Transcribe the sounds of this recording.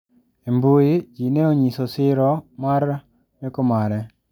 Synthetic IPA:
embuid͡ʒineoɲisɔsɪɾɔmaɾ | nɪkʊmaɾɛ

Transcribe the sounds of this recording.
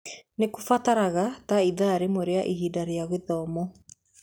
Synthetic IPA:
nekufataɾaɣataiðaɾemoɾeaʔiɣiːdaɾeaɣeðɔːmɔ

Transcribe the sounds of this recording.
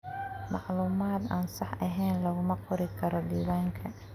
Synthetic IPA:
mɑʕluːmaːd̪aːnsɑħɐɦɛjnlɐɣʊmɐqʊɾɪkʰɐɾɔdiːβaːŋkʰɐ

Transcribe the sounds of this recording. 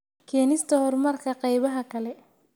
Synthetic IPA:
kʰɛːnɪst̪ʰɐhɔrmɐrkʰɐqɑjβɐɦɐkʰɐlɛ

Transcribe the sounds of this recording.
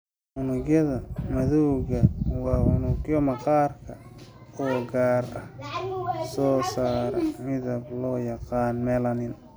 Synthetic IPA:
ʔʊnʊɣjɐðɐmɐðuwɣɐwɑːʊnʊɡjɔmɐqɑːrkʰɐ | ɔːɡaːrɐ̰h | sɔːsaːɾɐmɪðɐblɔːjɑqɑːnmɛːlɐnɪn

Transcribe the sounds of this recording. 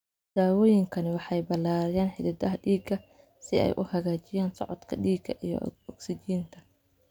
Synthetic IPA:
d̪̥aːwɔːjɪŋkʰɐnɪwɑħɑjbɐlaːɾɐjaːnħɪd̪ɐdɐɦɐɖiːɡɐ | sɪɛ̰jʔʊhɐɣaːt͡ʃɪjaːnsɔ̰ʕɔd̪kʰɐ̰ɖiːɡɐʔijɞ̰ɔɡsɪt͡ʃiːnt̪ʰɐ̥

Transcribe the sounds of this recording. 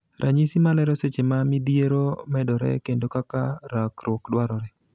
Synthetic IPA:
ɾʔaɲisimalɛɾɔset͡ʃemamid̪ieɾomɛdɔɾɛ̰kendokakaɾakɾokdwaɾɔɾɛ

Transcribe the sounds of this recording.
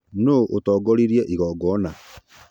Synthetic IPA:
noʔotɔːɡɔɾiɾiɛʔiɣɔːɡɔna

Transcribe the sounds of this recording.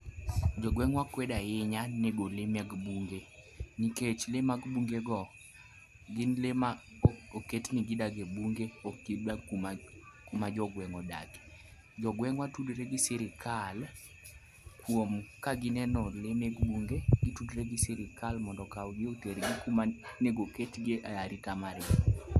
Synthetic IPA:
d͡ʒɔɡwɛŋwakwɛdaɪɲaneɡolemɛɡbuŋɡe | niket͡ʃlemaɡbuŋɡeɡɔ | ɡɪnlema | oketnɪɡidaɡebuŋɡeokidakuma | kumad͡ʒɔɡwɛŋɔda̰ɡe̥ | d͡ʒɔɡwɛŋwatudɾeɡiseɾikʰal | kʰwomkaɡɪnɛnɔlemɛɡbuŋɡeɡitudɾeɡiseɾɪkʰalmɔndɔkawɡeoteɾɡikumaneɡoketɡeaaɾikamarɡi

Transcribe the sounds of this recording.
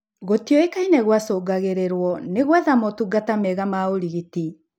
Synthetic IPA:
ɣotijɔekainɛɣwasoːɡaɣeɾeɾwɔneɣwaðamɔtuɡatamɛɣamaoɾiɣiti

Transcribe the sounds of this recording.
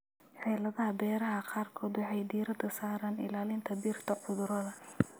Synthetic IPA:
ħɛːlɐðɐɦɐbɛːɾɐɦɐqɑːrkʰɔːd̪wɑħɑjd̪iːɾɐd̪ɐsaːɾaːnɪ̰laːlɪnt̪ʰɐbiːrt̪ʰɐʕʊðʊɾɐðɐ

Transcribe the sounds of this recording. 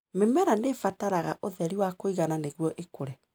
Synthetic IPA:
memɛɾandefataɾaɣaʔoðɛɾiwakoiɣananeɣwɔʔekoɾɛ

